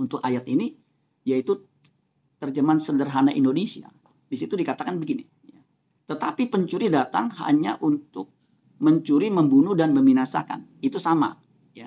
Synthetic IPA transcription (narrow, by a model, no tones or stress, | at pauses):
unt̪ʊkajat̪ini | jait̪u | t̪ərd͡ʒəmansədərɦanaʔindonesia̰ | disit̪udikat̪akanbəɡini | ja | t̪ət̪apipəɲt͡ʃuɾidat̪a̰ŋha̰ɲaʔunt̪ʊk̚ | məɲt͡ʃuɾiməmbunudanməminasa̰ka̰nit̪usama̰ | ja